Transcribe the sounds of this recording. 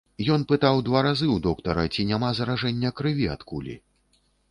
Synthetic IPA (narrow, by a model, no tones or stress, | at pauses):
jɔnpɨt̪awd̪vaɾazɨwd̪ɔkt̪ɐɾɐt͡sʲinʲamazɐɾaʐɛnʲːɐkɾɨvʲia̰t̪kulʲḭ